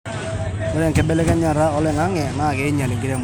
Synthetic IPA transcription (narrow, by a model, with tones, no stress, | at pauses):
ɔ˦ɾɛ˦˨ŋkɛ˦bɛ˦lɛ˦kɛ˦ɲa˨ɾa˦ɔ˦lɛ˨ŋa˦ŋɛ˨na˦˨kɛ˨˦ɪ˦ɲa˨lɪ˨ŋɡɪ˦ɾɛ˦m